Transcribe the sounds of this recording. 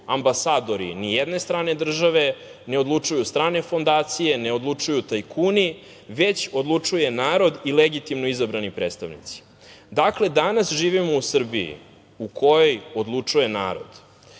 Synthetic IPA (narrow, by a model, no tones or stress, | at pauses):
ambasaːd̪o̞ɾḭnijed̪ne̞st̪ɾaːne̞d̪r̩ʒaʋe̞ne̞od̪lˠut͡ʂujust̪ɾaːne̞fo̞nd̪aːt̪sije̞neo̞d̪lˠut͡ʂujut̪ajkʰuːni | ʋe̞t͡ɕo̞d̪lˠut͡ʂuje̞naːɾo̞d̪ileɡit̪imnoizabɾanipɾeːt̪st̪aʋnḭt̪si̥ | d̪akle̞d̪anasʒiːʋimo̞usr̩bḭjḭ | ukʰo̞jo̞jo̞d̪lˠut͡ʂuje̞na̰ːɾo̞̰d̪̥